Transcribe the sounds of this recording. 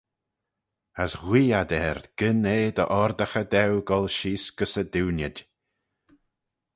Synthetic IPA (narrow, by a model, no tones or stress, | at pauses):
əsɣwiːad̪ɛːɾd̪ɡ̥ɪneːd̪ə̰ʔɔɾd̪əxəd̪ɛwɡɔlˠʃiːsɡ̥əsəd̪uwnjədʲ